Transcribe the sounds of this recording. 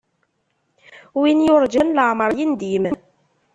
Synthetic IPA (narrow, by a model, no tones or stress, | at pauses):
winjʊɾˤd͡ʒənləʕməɾˤjind̪imən